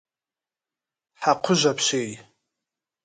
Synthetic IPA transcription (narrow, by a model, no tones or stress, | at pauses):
ħaqʷʰʊʒʷapʰʃej